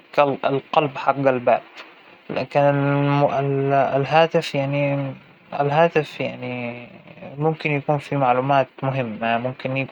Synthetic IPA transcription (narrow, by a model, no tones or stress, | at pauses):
kalɪlqɑlbħaqːalbaːb̥̚ | lʔɪkanɪlmɪllɦaːt̪ɪfjaʕni | ɪ̰lɦaːt̪ɪfjaʕni | mʊmkɪnjakuːnfimaʕluːmaːt̪mʊɦɪmːamʊmkɪnjak